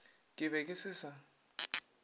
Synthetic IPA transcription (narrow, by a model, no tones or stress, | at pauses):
kʼɪβɛkʼɪsɪːsa